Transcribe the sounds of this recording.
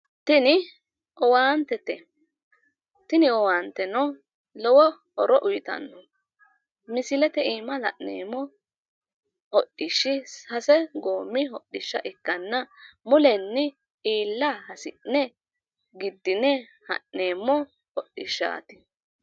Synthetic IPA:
t̪ɪnɪ | ʔɔwaːnt̪ɛt̪ɛ | t̪ɪnɪɔwaːnt̪ɛnɔ | lɔwɔ | ɔɾɔʔʊjɪt̪ɐ̰nːɔ | mɪsɪlɛt̪ɛiːmɐlɐʔnḛːmːɔ | hɔɗːɪʃːɪshɐsɛɡoːmːɪɦɔɗːɪʃːɐʔɪkːɐnːɐmʊlɛnːɪ | iːlːahɐsɪʔnɛ | ɡɪd̪ːɪnɛ | hɐ̰ʔneːmːɔ | hɔɗːɪʃːa̰ːt̪ɪ

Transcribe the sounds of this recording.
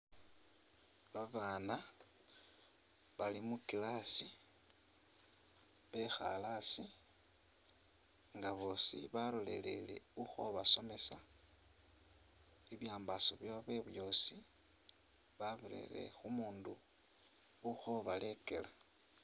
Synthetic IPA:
βaβaːna | βalimukilasi | βe̞xa̰lasi | ŋɡaβo̞ːsḭβalo̞lḛle̞̰le̞̰uxo̞̰βaso̞me̞sa | iβjaːmbasoβjaβweβjo̞si | βaβile̞̰le̞̰xumuːnduː | xo̞βale̞ke̞la

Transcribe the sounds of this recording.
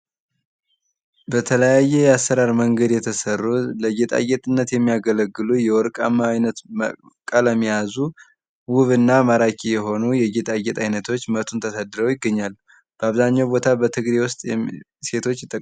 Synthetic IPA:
bət̪ʰələjajːɛjɛasːəɾaɾməŋɡəd̪jɛt̪ʰəsərːuləɡet̪ʼa̰ɡɛt̪ʼɨnːət̪jɛmːijaɡələɡːɨlujɛwɔɾkʼa̰mːajnət̪mə | kʼələmːijazu | wuβɨnːamaɾakʰʼijɛɦo̞nujɛɡet̪ʼajɡɛt̪ʼajnət̪ʰo̞t͡ʃːmət̪ʰunt̪ʰəsad̪ɨɾəwjɪɡːəɲːalːu | b̥əaβzaɲːawbo̞t̪ʰabət̪ʰɨɡɾewʊst̪ʼɛ | se̞t̪ʰo̞t͡ʃːjɪt̪ʼːəkʼ

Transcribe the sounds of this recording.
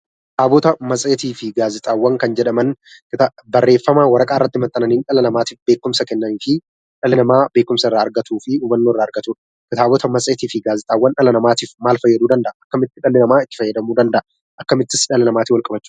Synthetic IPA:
taːbɔt̪ɐmɐsʼeːt̪iːfɪɡaːzɪt̪ʼaːwːɐŋkɐnd͡ʒɛᶑɐmɐn | kɪt̪abɐrːe̞ːfːɐmaːwɐɾɐkʼaːɪrːɐt̪ːɪmɐt̪ʼːɐnɐniːnᶑɐlɐnɐmaːt̪iːfbe̞ːkːʊmsɐkɛnːɐniːfɪ | ᶑɐlɪnɐmaːbe̞ːkːʊmsɐɪrːaːɐɾɡɐt̪uːfɪuːbɐnːoːɪrːaːɐɾɡɐt̪uːᶑɐ̥ | kɪt̪aːbɔt̪ɐmɐsʼeːt̪iːfɪɡaːzɪt̪ʼaːwːɐnᶑɐlɐnɐmaːt̪iːfmaːlfɐjːɐd̪uːd̪ɐnd̪ɐʔɐɐkːɐmɪt̪ːɪᶑɐlɪnɐmaːɪt̪ːɪ̥fɐjːɐd̪ɐmuːd̪ɐnd̪ɐʔɐ | ʔɐkːɐmɪt̪ːɪsᶑɐlɪnɐmaːt̪ɪwɐlkʼɐbɐt͡ʃːuː

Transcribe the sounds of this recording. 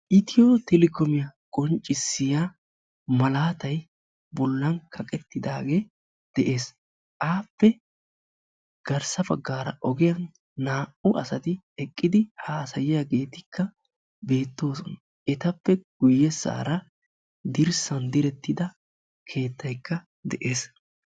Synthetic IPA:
ʔɪt̪ɪjoːt̪ɛlɪkɔmɪjɐkʼɔnt͡ʃʼːɪsːɪja | mɐlaːt̪ɐj | bɔlːɐnkʰɐkʼɛt̪ːɪd̪aːɡeː | d̪̥ɛʔe̞ːs | ʔaːpːɛ | ɡ̥ɐɾsɐbɐɡːaːɾɐʔɔɡɛjɐnː | aːʔʊʔɐsɐt̪ɪ | ɛkʼːɪd̪ɪhaːsɐjɪjɐɡe̞ːt̪ɪkːɐ | be̞ːt̪ːo̞ːsɔnɐ | ʔɛt̪ɐpːɛɡ̥ʊjːɛsːa̰ːɾɐ | d̪ɪɾsɐnd̪ɪɾɛt̪ːɪd̪ɐ | kʰe̞ːt̪ʰːɐjkːɐ | d̪ɛʔe̞ːs

